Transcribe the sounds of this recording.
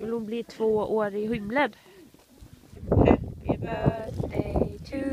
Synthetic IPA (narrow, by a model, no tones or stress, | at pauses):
vɪlhʊnbliːt̪ʰv̥oːoːɾɪhʏmləd̪